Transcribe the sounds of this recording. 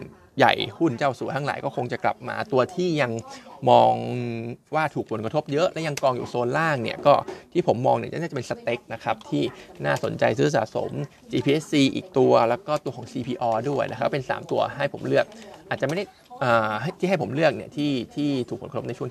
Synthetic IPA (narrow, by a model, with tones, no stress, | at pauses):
ja̰˨˩jhu˥˩nt͡ɕaː˥˩wsu˨˩˦t̪ʰa˥˩la̰ː˩˦jkɔː˥˩kʰo˧ŋt͡ɕa˨˩kla̰˨˩p̚ma̰ː˧t̪u˧ɐt̪ʰiː˥˩ja˧ŋmɔː˧ŋwaː˥˩t̪ʰuː˨˩k̚pʰo˩˦nkɾa˧t̪ʰo˦˥p̚jɤ˦˥ʔlɛ˦˥ja˧ŋkɔː˧ŋjṵː˨˩soː˧nlaː˥˩ŋnḭ˥˩ɐkɔː˥˩t̪ʰiː˥˩pʰo˩˦mːɔː˧ŋni˥˩a˧˥˩a˥˩t͡ɕpe˧nsa˧t̪e˦˥k̚na˦˥kʰa˦˥p̚t̪ʰiː˥˩naː˥˩so˨˩˦nt͡ɕa̰˧jsɯː˦˥˩sa̰ː˨˩so̰˩˦m | t͡ɕiː˧pʰiː˧ʔe˦˥ssiː˧ʔḭː˨˩k̚t̪u˧ɐlɛː˦˥wkɔː˥˩t̪u˧ɐkʰɔː˩˦ŋsiː˧pʰiː˧ʔɔː˧du˥˩əjna̰˦˥kʰa˦˥pːpe˧nsa̰ː˩˦mt̪u˧ɐɦa˥˩jpʰo̰˩˦mlɯ˥˩ək̚ʔʔaː˨˩t͡ɕa˨˩m˥˩da˥˩j | ʔɤː˨˩ɦjt̪ʰi˥˩ɦa˥˩jpʰo˩˦mlɯ˥˩ək̚ni˥˩ɐt̪ʰiː˥˩t̪ʰiː˥˩t̪ʰu˨˩k̚ʰo˩˦ktʰo˦˥na˧jʰt͡ɕu˥˩˨